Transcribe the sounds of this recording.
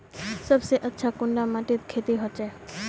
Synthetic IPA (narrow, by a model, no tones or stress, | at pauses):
səbseʔətːʃʰakʊɳɖamaʈit̪kʰet̪iɦot͡ʃe